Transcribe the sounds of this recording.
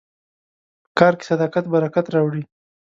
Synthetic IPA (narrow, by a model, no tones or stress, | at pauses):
kɑɾke̥sad̪ɑkat̪baɾakat̪ɾɑwɽi